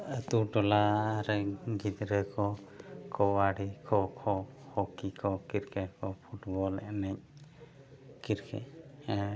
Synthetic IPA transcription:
t̪uʈɔlaɾɛɡit̪ɾɛkɔkɔwaɽikʰɔkʰɔhɔkikʰɔkiɾkʰɛkɔpʰuʈbɔlɛnɛɲ | kiɾkʰɛ̰

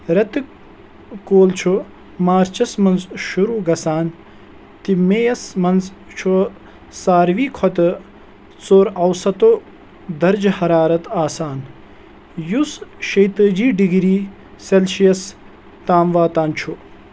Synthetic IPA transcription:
ɾɐt̪ɨ | koːlt͡ʃʰu | maːɾt͡ʃɐsmɐnzʃuɾuːɡɐsaːn | t̪imeːjɐsmɐnzt͡ʃʰu | saːɾʋiːkʰɔt̪ɨ | t͡soːɾɐwsɐt̪o | d̪ɐɾd͡ʒhɐɾaːɾɐt̪aːsaːn | jusʃɐjt̪əːd͡ʒiːɖiɡɾiː | selʃijɐs | t̪aːmʋaːt̪aːnt͡ʃʰu

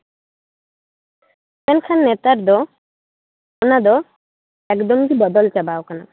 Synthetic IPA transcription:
pɛnkʰanːet̪aɾd̪ɔ | onad̪ɔ | ɛkd̪ɔmkibɔd̪ɔlt͡ɕabaokana

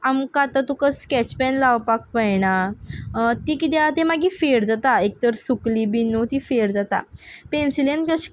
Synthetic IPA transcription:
amkat̪at̪ukəskɛt͡ɕpɛnlawpak̚pəjɳa | t̪ikit̪̬jat̪emaɡiːfeɾd͡zat̪aek̚t̪əɾsukliːbinːut̪ifeɾd͡zat̪a̰pensilenʈkəɕ

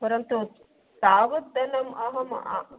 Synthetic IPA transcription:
pɐɾɐnt̪u | d̪aːʋɐt̪ːɐnɐmɐɦɐmɐ̰ʔa̰

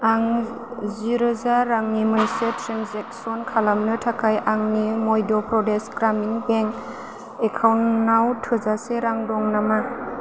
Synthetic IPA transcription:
aŋ | ziɾɯzaɾaŋnimɯnsetʰɾimzek̚sɔnkʰalamnɯtʰakʰajʔaŋnimojdɔpɾɔdesɡɾamiŋbeŋ | ekʰawnːawtʰɯzaseɾaŋdɔŋnama

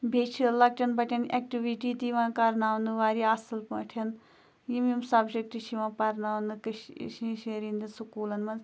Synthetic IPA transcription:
bʱeːt͡ʃʰilɐk̚ʈʲɐnbɐʈʰʲɐnek̚ʈiʋiʈit̪iʋãːkɐɾnaːʋnd̪ɨʋaːɾiasɨlpɐ̰̃ːʈʰɐn | jimimsɐbd͡ʒek̚ʈit͡ʃʰiʋãːpɐɾnaːʋnd̪ɨkɨʃʃiʃeɾind̪isukuːlɐnmɐn

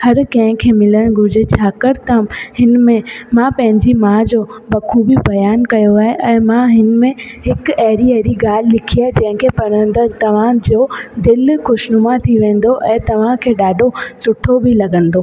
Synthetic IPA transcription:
hɐɾkɐ̃ɦɪ̃kʰeːmɪləɽ̃ɡʊd͡ʑet͡ɕʰaːkɐɾt̪ãhɪnmẽmãpɐ̃ɦɪ̃ɲd͡ʑimãːd͡ʑoːbɐkʰubɪbɐjaːnkɐjoaːɦeʔɛ̃ːmãɦɪn̆mẽɦɪkɐɦɾiɐɾiɡaːl̤ɪlɪkʰijad͡ʑɐ̃ɦɪ̃kʰeːpɐñə̃nd̪əɾt̪ɐʋ̤ãd͡ʑoːd̪ɪlxʊʃnʊmat̪ʰiʋẽːn̆d̪oʔɛ̃ːt̪ɐʋ̤ãkʰeːɗaːɖʱosʊʈʰobɪlɐɡə̃nd̪oː

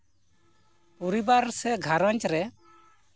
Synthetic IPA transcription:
pɔɾibaɾsɛɡʱaɾaɲt͡ʃɾɛ

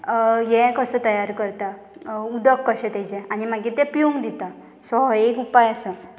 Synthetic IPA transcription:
jɛ̃kəsɔ̃t̪əjaɾkəɾt̪a | ud̪əkːəɕɛ̃t̪ed͡ʑɛanimaɡit̪ɛpijũŋɡd̪it̪a | sɔɦekupajasə

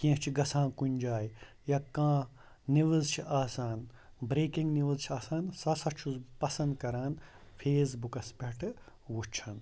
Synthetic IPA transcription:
kĩt͡ʃʰiɡɐsʰãːkunʲd͡ʒaːj | jɐkãː | niʋɨzt͡ʃʰiʔaːsaːn | bɾeːkiŋɡniʋɨzt͡ʃʰiaːsaːnsɐsɐt͡ʃʰuzpɐsɐ̃nd̪kɐɾaːn | pʰeːzbukɐspʲeʈʰɨ | wut͡ʃʰɐn

